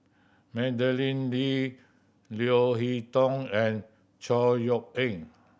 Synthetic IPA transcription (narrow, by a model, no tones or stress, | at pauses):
mɛ̃dəlĩnli | lioɦitɔ̃ŋɛ̃n | t͡ʃɔjɔk̚ẽŋ